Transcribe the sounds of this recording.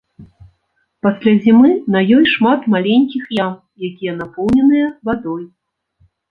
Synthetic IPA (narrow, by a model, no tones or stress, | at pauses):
pasʲlʲazʲimɨnɐjɔjʂmat̪malʲenʲkʲixjam | jakʲijɛnapɔwnʲɛnɨjɐvad̪ɔj